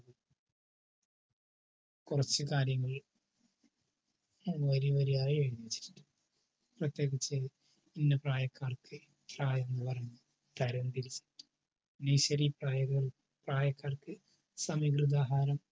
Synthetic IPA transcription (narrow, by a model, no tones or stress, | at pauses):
kurɐt͡ɕːɨkaːɾjɐŋːɐɭ | ɐmːʋɐɾiʋɐɾiɐrijɐnɐit͡ɕːi̥ɾi̥ʈːu̥ | prɐt̪je̞ːɡit͡ɕːɨ | inːɐpraːjɐkːaːrkɨ | praːjɐenːɨpɐrɐjɲɲːu | d̪̥ʱɐɾɐnt̪iɾit͡ɕːɨ̥ | nɐjɕɐɾipraːjɐɣɐɭ | praːjɐkːaːrkɨ | sɐmiɡrɨd̪aːɦaːɾɐm